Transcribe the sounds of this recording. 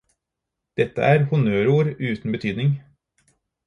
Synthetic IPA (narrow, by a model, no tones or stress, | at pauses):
d̪̥ɛt̪ːə̰ʔæːɾhʊnøːɾuːɾʉːt̪n̩bət̪ʰyːd̪nɪŋ